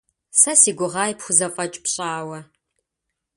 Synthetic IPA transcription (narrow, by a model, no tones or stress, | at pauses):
sɐsiːɡʷʊʁɑːjpxʷʊzɐfʼɐt͡ʃʼpɕʼaːwɐ